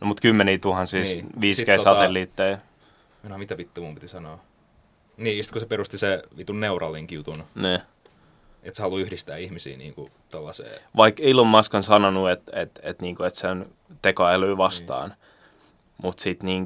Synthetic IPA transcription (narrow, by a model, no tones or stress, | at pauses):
nomut̪kymːeniːt̪uhɑnsiːsʋiːskeisɑt̪elːiːt̪ːei | enohɑmit̪æpit̪ːomumpit̪isɑnoː | niːsi̥t̪kusepeɾust̪iseʋit̪unneurɑ̰liŋkijut̪unniː | et̪sehɑluyhdist̪æːihmisḭːnḭːŋkut̪olːɑsḛːʋɑikilːomːɑskɑnsɑnonuet̪et̪et̪niːŋkoet̪sen | t̪ekoelyːʋɑst̪ɑ̰ːn | mut̪sit̪niːŋ